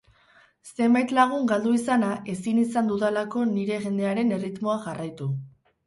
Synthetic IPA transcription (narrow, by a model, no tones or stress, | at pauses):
se̞mbajt̪laɣ̞uŋɡald̪uisanaʔe̞sinisand̪uðelako̞niɾe̞ɣe̞nd̪e̞aɾe̞ne̞rit̪moaʝarajt̪u